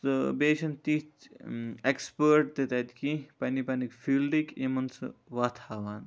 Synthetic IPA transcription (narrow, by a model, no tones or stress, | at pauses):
sɨbeːʃɐnt̪it | ekspəːɾʈ̚d̪et̪ɐd̪ikĩpɐnipɐnikfilɖikimɐnsɨ̰ʋat̪ʰaːʋaːn